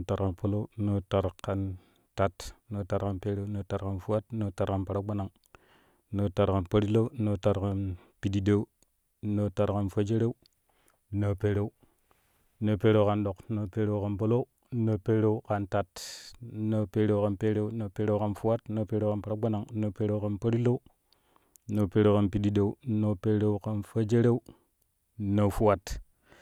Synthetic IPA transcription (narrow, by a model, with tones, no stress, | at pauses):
ta˨ɾka˨npo˦lo˦no˦ta˨ɾka˨n | ta˨tno˦ta˨ɾka˨npe˦ɾe˦no˦ta˨ɾka˨nfu˦a˦tno˦ta˨ɾka˨npa˨ɾa˦ɡ͡ba˦na˨ŋ˦ | no˦ta˨ɾka˨npo˦ɾi˦lo˦u˦no˦ta˨ɾka˨n | pi˨di˦de˦u˦ | no˦ta˨ɾka˨nfo˦d͡ʒe˦ɾe˦u˦ | no˨pe˦ɾe˦u˦ | na˨pe˦ɾe˦u˦ka˨nɗo˨kna˨pe˦ɾe˦u˦ka˨npo˦lo˦ | na˨pe˦ɾe˦u˦ka˨nta˨t | na˨pe˦ɾe˦u˦ka˨npe˦ɾe˦u˦na˨pe˦ɾe˦ka˦nfu˦wa˦tna˨pe˦ɾe˦ka˨npa˨ɾa˦ɡ͡ba˦na˨ŋ˦na˨pe˦ɾe˦u˦ka˨npa˦ɾi˦lo˦u˦ | na˨pe˦ɾe˦ka˨npi˨di˦de˨u˦na˨pe˦ɾe˦u˦ka˨nfa˦d͡ʒe˦ɾe˦u˦ | na˨fu˦wa˦t